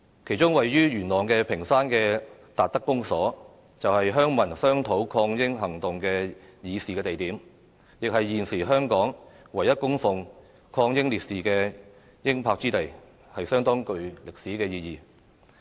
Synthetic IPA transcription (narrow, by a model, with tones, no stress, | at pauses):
kʰe˨˩jt͡ʃʊ˥ŋwɐ˨jːyː˥ɥyː˨˩nlɔː˨˩ŋkɛː˧pʰɪ˨˩ŋsaː˥nkɛː˧t̪aː˨t̚t̪ɐ˥kːʊ˥ŋsɔː˨˥ | t͡sɐ˨whɐ˨jɦœː˥ŋmɐ˨˩nsœː˥ŋt̪ʰo˨˥wkʰɔː˧ŋjɪ˥ŋɦɐ˨˩ŋt̪ʊ˨ŋkɛː˧jiː˨˧siː˨kɛː˧t̪e˨jt̪iː˨˥m | jɪ˨k̚hɐ˨jːiː˨˩nsiː˨˩ɦœː˥ŋkɔː˨˥ŋ | wɐ˨˩jːɐ˥t̚kʊ˥ŋfʊ˨ŋ | kʰɔː˧ŋjɪ˥ŋliː˨t̚siː˨kɛː˧ | jɪ˥ŋpʰaː˧k̚t͡siː˥t̪e˨j | hɐ˨jsœː˥ŋt̪ɔː˥ŋkɵ˧ɥlɪ˨k̚siː˨˥kɛː˧jiː˧jiː˨˩